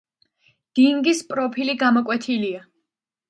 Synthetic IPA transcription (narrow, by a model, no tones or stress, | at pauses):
d̪̥iŋɡispʼɾɔpʰiliɡamɔkʼwɛt̪ʰilia